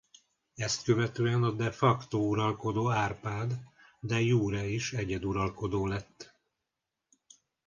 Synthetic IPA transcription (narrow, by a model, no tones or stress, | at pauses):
ɛst̪køvɛt̪øːɛnɒd̪ɛfɒkt̪ouɾɒlko̞d̪oːaːrpaːd̪ːɛjuːɾɛiʃɛɟɛd̪uɾɒlko̞d̪oːlɛt̪ː